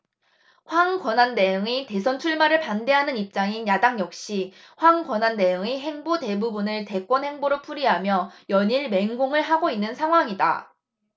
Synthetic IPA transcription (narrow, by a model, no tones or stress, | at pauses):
ɸwaŋkwʌnanːe̞joŋite̞sʰʌnt͡ɕʰuɭmaɾɯɭpande̞ɦanɯnip̚t͡ɕ͈aŋinjadaŋjʌk̚ɕ͈i | ɸwaŋkwʌnanːe̞joŋiɦe̞ŋbote̞bubunɯɭte̞k͈wʌnhe̞ŋboɾopʰuɾiɦamjʌjʌɲiɭme̞ŋɡoŋɯɭɦaɡoinːɯnsʰaŋɦwaŋida̰